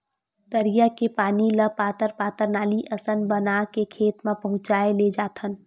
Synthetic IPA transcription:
t̪əɾijakepaːniləpaːt̪əɾpaːt̪əɾnaːliʔɐsənbənakekʰeːt̪mãpɐɦʊ̃t͡ʃaːeled͡ʒaːt̪ʰən

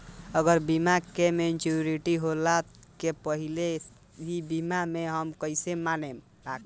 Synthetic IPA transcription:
əɡəɾbimakement͡ʃuɾiʈiɦola | kepəɦile | bʱibimameɦəmkəɪsemanem | bak

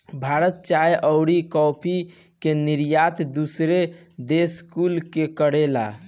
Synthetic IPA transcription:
bʱaɾət̪̚t͡ʃajʔəʊɽikɔpʰi | keniɾjat̪d̪usɾe | d̪eskulkekəɽela̰

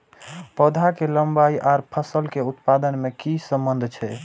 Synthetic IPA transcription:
pɔd̪ʱakeləmbaiʔaɾpʰəsəlkeut̪pad̪ənmekisəmbənd̪ʱt͡ʃʰɛ̰

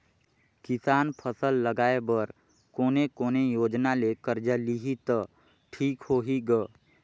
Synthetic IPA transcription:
kɪsaːnpʰəsəlːəɡaːebəɾ | koːnekoːnejoːd͡ʒnalekəɾd͡ʒəliɦit̪ə | ʈʰiːkhoːɦiɡə

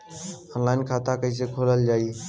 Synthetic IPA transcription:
ɔːnlaːɪnkʰaːt̪akəis̬ekʰoːləld͡ʒaːiː

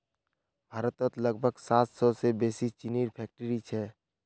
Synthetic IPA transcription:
bʱaːɾət̪ət̪ləɡ̚bʱəɡsaːt̪sɔsebeːsit͡ʃɪniɾpʰɛːk̚ʈəɾit͡ʃʰɛ

